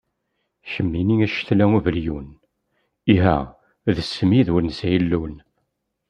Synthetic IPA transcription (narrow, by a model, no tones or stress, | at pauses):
çəmːiniæʃθlæuvəljun | iɦæ̰ | ðəsːəmiðwəɾnsæjəlːun